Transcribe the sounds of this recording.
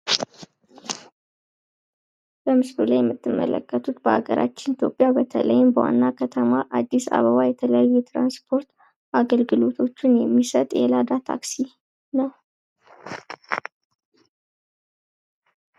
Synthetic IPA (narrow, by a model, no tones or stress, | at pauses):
b̥əmɨskulajɛmːɨt̪ːɨmːə̰lə̰kːət̪ʰut̪bəa̰ɡəɾʔa̰t͡ʃːɪnit̪ʰjo̞pʼːjabət̪ʰələjɪmbəwa̰nːakʰət̪ʰəmaʔad̪ːisa̰βəβajɛt̪ʰələjːɛt̪ɾanspʰo̞ɾt̪ | ʔaɡəlɡɨlo̞t̪ʰo̞t͡ʃːɪnjɛmːisət̪ʼʔelad̪at̪ʰa̰ksi | nəw